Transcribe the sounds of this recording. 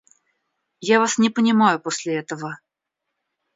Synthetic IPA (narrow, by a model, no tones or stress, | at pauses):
javasnʲɪpənʲɪmajʊposʲlʲɪɛt̪əvə